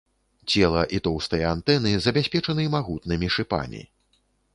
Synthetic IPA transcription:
t͡sʲɛlˠɐʔit̪ɔwst̪ɐjɐant̪ɛnɨzɐbʲasʲpʲɛt͡ʂɐnɨmaɣut̪nɨmʲiʂɨpa̰mʲḭ

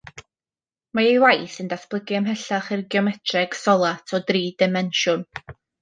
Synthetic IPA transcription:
maejwajθəndasb̥lˠəɡɪəmɦɛɬaχɪrɡiɔmɛtʰrɛɡ̥sɔlˠatʰɔdriːdɪmɛnʃʊn

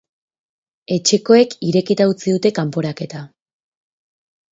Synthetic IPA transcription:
e̞t͡ʃe̞ko̞e̞kiɾe̞kit̪aut͡siðut̪e̞kampo̞ɾake̞t̪a

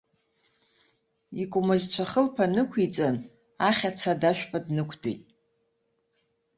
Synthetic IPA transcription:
ikʷʼʊmɨzt͡ɕʷʰaχəlpʰanɨkʷʰit͡sʼan | aχʲat͡sʰadaʃᶣpʰʼadnɨkʷʰtʰʼḛjtʼ

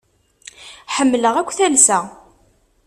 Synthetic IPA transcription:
ħəmːləʁækʷːθælsæ

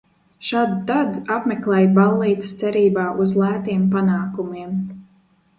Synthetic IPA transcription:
ʃaːd̪d̪ad̪apmɛklˠɛːjbalˠːiːt̪st̪sɛɾiːbaːʔuzlˠæːt̪iɛmpanaːkumiɛm

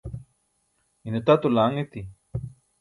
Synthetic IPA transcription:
inut̪at̪ulaŋit̪i

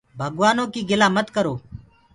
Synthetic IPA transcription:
bʱəɡʋaːnõːkiːɡɪlaːmət̪kəɾoː

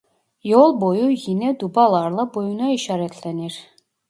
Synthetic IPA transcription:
jolˠbojujinɛd̪ubɑlˠɑɾlˠɑbojunɑiʃɑɾæt̪ʰlæniɾ

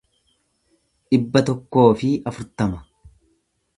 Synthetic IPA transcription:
ᶑɪbːɐt̪ɔkːo̞ːfɪɐfʊɾt̪ɐmɐ

